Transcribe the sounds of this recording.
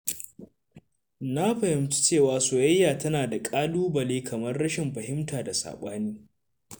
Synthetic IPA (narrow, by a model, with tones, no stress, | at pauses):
na˦ɸɐ˨hɪ˨mt͡ʃi̥˦t͡ʃeː˦˨waː˨soː˨jɐ˦jːaː˨tɐ˦naː˨da˨kʼaː˦luː˦bɐ˨leː˦kʰɐ˨mɐ˦rɽɐ˦ʃɪ˨mɸɐ˨ɦɪ˦mtaː˨da˨sa̰ː˨ɓaː˦niː˦